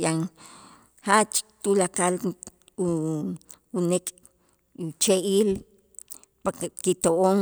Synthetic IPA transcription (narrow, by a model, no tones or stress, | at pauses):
jaŋ | hat͡ʃt̪ulakal | wunekʼ | t͡ʃeʔiːl | pakkit̪oʔoŋ